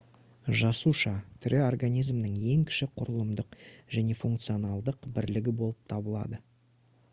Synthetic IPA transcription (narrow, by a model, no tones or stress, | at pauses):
ʒɑsuʃɑt̪ʰʏɾʔɪo̞rɡanijzmnəŋe̞ŋkʲʰɪ̥ʃɪqʰʊɾəlˠəmd̪əqʒæne̞fuŋkt̪sɨio̞nɑlˠd̪əqbɪɾlɪɡʲɪbo̞lˠəp̚t̪ʰɑbəlˠɑ̰d̪ə